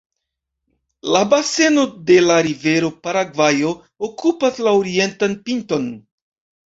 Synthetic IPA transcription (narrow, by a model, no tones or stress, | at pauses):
labase̞no̞de̞laɾive̞ɾo̞paɾaɡvajo | okupaslaoɾie̞ntanpinto̞n